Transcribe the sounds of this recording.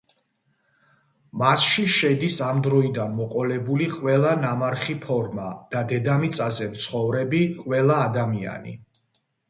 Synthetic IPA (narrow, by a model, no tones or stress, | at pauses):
masʃiʃɛd̪isamd̪ɾɔid̪anmɔqʼɔlɛbuliqʼwɛlˠanamaɾχipʰɔɾmad̪̥ad̪ɛd̪amit̪sʼazɛmt̪sʰχɔvɾɛbiqʼwɛlˠaːd̪amia̰nḭ